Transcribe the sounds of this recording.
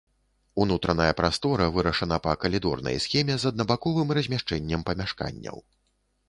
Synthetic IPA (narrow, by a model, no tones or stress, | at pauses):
unut̪ɾɐnɐjɐpɾast̪ɔɾɐvɨɾɐʂɐnɐpɐkɐlʲid̪ɔ̰rnɐ̰jsxʲɛmʲɛzɐd̪̚nɐbakɔvɨmrɐzʲmʲaʂt͡ʂɛnʲːɛmpɐmʲaʂka̰nʲːɐ̰w